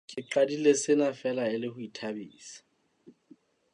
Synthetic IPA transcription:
kʼɪǁadilesɪnafɛlaɪlɪhʊitʰabiːsḁ

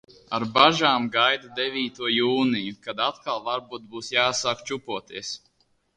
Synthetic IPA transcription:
aɾbaʒaːmɡajd̪ad̪evʲiːt̪uɔjuːnijukad̪at̪kalˠvaɾbuːt̪̚buːsjaːsaːkt͡ʃupuɔt̪iɛs

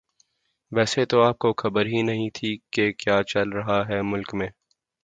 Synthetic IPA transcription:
ʋɛːset̪oaːp̚koxɐbəɾɦinɐɦĩt̪ʰikekjaːt͡ʃɐlɾɐɦaɦɛmʊlkmẽː

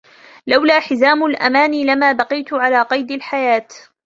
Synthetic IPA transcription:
lawlaːħɪzaːmʊlʔa̰maːnilamaːbɑqɨjt̪ʊʕalaːqɑjd̪alħajaːt̪

